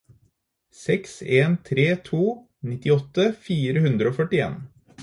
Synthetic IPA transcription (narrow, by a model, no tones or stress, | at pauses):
sɛkseːnt̪ʰɾeːt̪ʰuː | nɪt̪ɪɔt̪əfiːɾəhʉnd̪ɾəoːfœʈɪḛːn